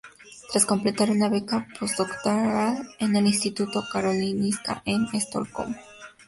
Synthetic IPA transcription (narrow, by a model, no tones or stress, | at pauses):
t̪ɾasko̞mple̞t̪aɾunaβekapʰosd̪okt̪oɾalenelinst̪it̪ut̪o̞kaɾo̞linist̪a̰ʔenest̪o̰lko̰m